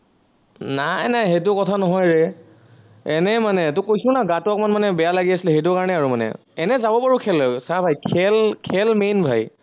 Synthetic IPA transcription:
najnajɦet̬ʊkɔtʰanɔɦɔjɹɛ | ɛnɛmanɛtʊkojsʊ̃naɡatʊkmanmanɛbɛjalaɡiasilɛxet̬ʊkaɹɔnɛaɹumanɛ̰ | ɛnɛzabɔpaɹukʰɛlɔsabʱajkʰɛlkʰɛlmenbʱaj

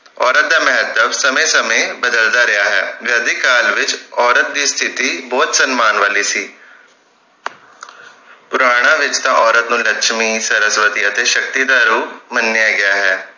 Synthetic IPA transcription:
ɔːɾət̪̚d̪aːmɛɦət̪əbsəmẽːsəmẽːbəd̪əld̪aːɾɪjaːɦɛːʋɛːd̪iːkaːlʋɪt͡ʃɔːɾət̪̚d̪iːst̪ʰɪt̪iːbɔːt̪sənmaːnʋaːliːsiː | pʊɾaːɽ̃ãːʋɪt͡ʃt̪ãːʔɔːɾət̪nũːləkʃmiːsəɾəsʋət̪iːət̪eːʃək̚t̪iːd̪aːɾuːmənːɪjaːɡɪjaːɦɛː

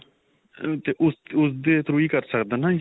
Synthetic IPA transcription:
t̪eːʔʊsʊsd̪eːt̪ɾuːiːkəɾsəkd̪ənãːj

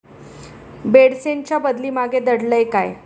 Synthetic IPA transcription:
beɽseɲt͡ɕjabəd̪liːmaɡed̪əɽləjka̰j

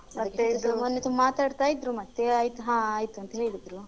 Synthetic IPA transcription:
ɐɐɐkk̪ːesɐmɐnːet̪umbɐmaːt̪aːɽt̪aːjid̪ɾumɐt̪ːeaːjit̪uɦãːaːjit̪uɐnt̪ɐɦeːɭid̪ɾu

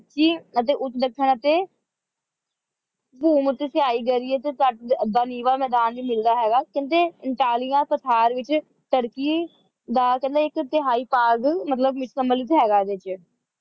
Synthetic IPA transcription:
t͡ʃiːət̪̬eːʔʊt̪ːd̪əkʰːəɳət̪eː | buːmʊt̪esɪaːiːɡəɾiɛːt̪eːt̪aʈd̪aːniːʋaːmɛːd̪aːnʋiːmɪld̪aːɦɛːɡaːkɪ̃nt̪eːɪɳʈaːlijãːpət̪ʰaːɾʋɪt͡ʃ | t̪əɽkiː | d̪aːkɛ̃nd̪aːɪkd̪ɪɦaːiːpaːɡmət̪ləbmɪt͡ʃsəmbəlɪt̪ɦɛːɡaːd̪eːt͡ʃ

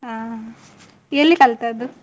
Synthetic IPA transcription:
aː | elːikɐlt̪ad̪u

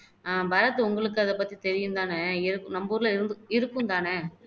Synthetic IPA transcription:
abɐɾɐt̪ːɯʊŋɡɐɭɯk̬ːɯɐðɐpɐt̪ːit̪ɛɾɪjɯnd̪aːnɐɪɾɯkːɯnɐmbuːɾlɐɪɾɯnd̪ɯɪɾɯkːɯnd̪aːnɛ

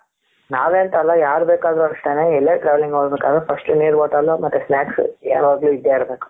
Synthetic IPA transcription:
naːʋeːnt̪aːlãːjaːɾbeːkaːðɐɾɐɾɐsʈeːneːɛlːɐːʈɾaːʋɐlɪŋɡɐɐɾɐbɯkːaːðɐfɐsʈɯniːɾʋoːʈaːlõːmɐʈ̪ːɐsnaːkseːɾɐːɾɡɐluɪd̪jaːɪɾɐbeːkːʊ̥̃

